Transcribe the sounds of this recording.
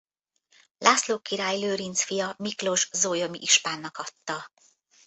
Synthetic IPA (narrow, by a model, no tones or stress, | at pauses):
lʔaːsloːkːiɾaːjløːɾint̪sfijɒmiklo̞ʒzoːjo̞mḭʔiʃpaːnːɒkɒt̪ːɒ